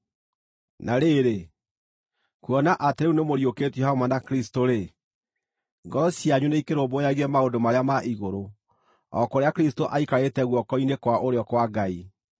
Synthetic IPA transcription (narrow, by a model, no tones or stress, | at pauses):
naɾeɾe | kwɔnaʔateɾeunemoɾjoketjɛhaomanakɾistoɾe | ŋɡɔɾɔsjaɲuneikeɾombɔjaɣɛmaodomaɾeamaʔiɣoɾo | ɔ̰koɾeakɾistoʔaikaɾetɛɣwɔkɔinekwaʔoɾeɔkwaɡai